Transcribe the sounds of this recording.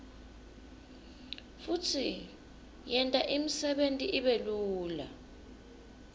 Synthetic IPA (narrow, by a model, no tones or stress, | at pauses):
futʰi | jɛntʼaʔimisɛɓentʼiʔiɓeluːla̰